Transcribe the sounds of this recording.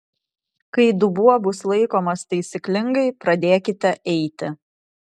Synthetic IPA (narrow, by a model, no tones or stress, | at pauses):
kɐɪd̪ʊbuɔbʊslˠɐɪkoːmɐst̪ɐɪsʲɪklʲɪŋɡɐɪpɾɐd̪ʲeːkʲɪt̪ʲɛʔɛɪt̪ʲɪ